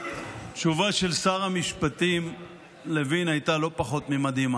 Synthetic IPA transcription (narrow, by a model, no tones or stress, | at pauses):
tt͡ʃuvaʃe̞lsaʁamiʃpat̪im | levinajt̪alo̞paχo̞t̪memad̪hima